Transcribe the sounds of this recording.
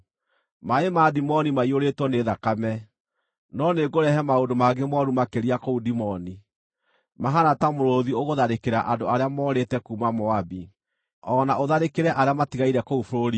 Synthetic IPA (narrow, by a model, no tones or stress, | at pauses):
maemadimɔnimaioɾetwɔneðakamɛ | nɔneɡoɾɛhɛmaodomaɡemwɔɾumakeɾiakoudimɔni | maɦanatamoɾoðioɣoðaɾekeɾaʔadoaɾeamɔːɾetɛkuːmamɔabi | ɔnaʔoðaɾekeɾɛʔaɾeamatiɣaiɾɛkoufoɾoɾi